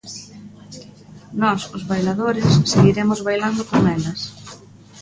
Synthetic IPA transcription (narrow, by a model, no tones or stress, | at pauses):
nɔsʊzβajlaðoɾɪsːeɣiɾemʊzβajland̪ʊkoŋɛlɐs